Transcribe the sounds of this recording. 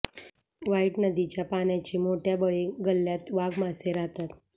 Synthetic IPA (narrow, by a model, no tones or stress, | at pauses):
ʋaiʈnəd̪it͡ɕjapaɳjat͡ɕiːmoʈjabəɭeɡəlːjat̪ʋaɡmaseɾat̪at̪